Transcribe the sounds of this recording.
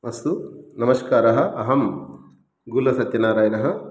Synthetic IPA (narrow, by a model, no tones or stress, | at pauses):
ɐsunɐmɐʃkaːɾɐɦɐ̆ʔɐɦɐm | ɡulɐsɐt̪jɐnaːɾaːjɐnɐɦɐ̆